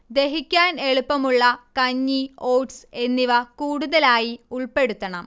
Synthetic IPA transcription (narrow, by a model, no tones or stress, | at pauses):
d̪e̞ɦikʲːaːne̞ɭupːɐmuɭːɐkɐɲːioːwʈse̞nːiʋɐkuːɽuðɐlaːjiuɭpe̞ɽut̪ːɐɳɐm